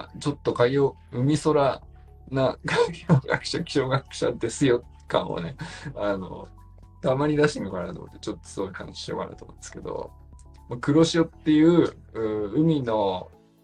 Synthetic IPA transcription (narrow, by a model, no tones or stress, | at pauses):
t͡ɕo̞t̪ːo̞kaijoː | ɯ̟mʲiso̞ɾa | naɡaijoɡa̰kɯ̥ɕakʲi̥ɕo̞ːɡakɯ̟̥ɕa̰d̪e̞sɨjo̞ | kã̰o̰ne̞ano̞̰ | t̪amaɲ̟id̪aɕĩŋɡakaɾanat̪o̰mo̰t̪ːet͡ɕo̞t̪ːo̥sɨɡoika̰naɕi̥ɕio̞̰ka̰na̰t̪omõnd̪eske̞d̪o̞̰ | makɯ̟ɾo̞ɕio̞t̪ːe̞jɯ̟ː | ɯ̟ːɯ̟mʲino̞